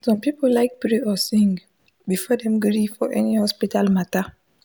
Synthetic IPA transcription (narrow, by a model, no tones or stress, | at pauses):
sɔ̃mpipollaɪk̚pɹeɔsĩŋ | bifɔdɛ̃mɡɾifɔʔɛnihɔspitalmata